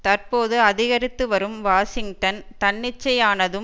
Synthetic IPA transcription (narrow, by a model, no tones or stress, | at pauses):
t̪ɐrpoːðɯɐðɪɣɐɾɪt̪ːɯʋɐɾɯmʋaːsɪŋɡʈɐnt̪ɐɳːɪt͡ʃːɐjaːnɐðɯ